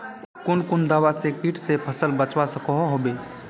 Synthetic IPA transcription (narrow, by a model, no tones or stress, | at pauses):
kʊnkʊnd̪aːwasepiːʈʰsepʰəsəlbət͡ʃwasəkoɦoɦobeː